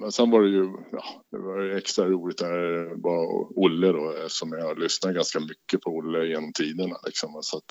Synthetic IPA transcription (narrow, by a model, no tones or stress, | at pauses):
mɛnsɛnvaɖɛjɵjɑ̰ːd̪̥ɛ̰vajɵɛkst̪ɾaɾuːlɪt̪̚d̪æbɑ̰ʊlːəd̪ɔsɔmjahaɭʏsnat̪̚ɡanskamʏkːəpʰɔʊlːəjenɔmt̪ʰiːd̪əɳa̰lɪ̰ksɔmsat̪